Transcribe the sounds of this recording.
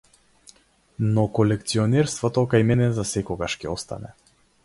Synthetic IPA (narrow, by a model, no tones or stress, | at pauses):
nɔkɔlɛkt̪siɔnɛɾst̪vɔt̪ɔkajmɛnɛzasɛkɔɡaʃcɛɔst̪a̰nɛ̰